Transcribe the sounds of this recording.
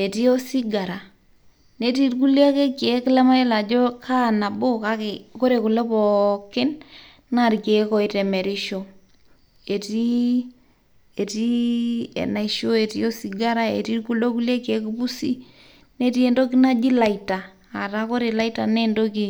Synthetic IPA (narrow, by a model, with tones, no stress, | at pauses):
e˨ti˦o˦si˦ɡa˨ɾa˨ | ne˦ti˦ɾk̬u˦lja˦ke˦ke˨˦kɪ˦lɛ˦ma˦e˦la˨d͡ʒo˦kʰa˦na˨bo˦ka˦kɪ˨ko˦ɾe˨ku˨lɛ˦pɔ˨kɪ˦n | na˦˨ɾke˨kɔ˨i˦te˨me˨ɾi˦ʃo˦ | e˨ti˦ | e˨ti˦ḛ˨na˨iʃo˦e˨ti˦o˦si˨ɡa˦ɾa˦ḛ˨ti˦ɾku˦lo˦ku˦lja˦ke˨˦ku˦pu˦si˦ | ne˦ti˦e˨ndo˦k̬i˦na˦d͡ʒi˦la˨i˨ta˨ | a˨ta˦ko˦ɾe˨la˦i˦ta˨ne˦ndo˦ki˨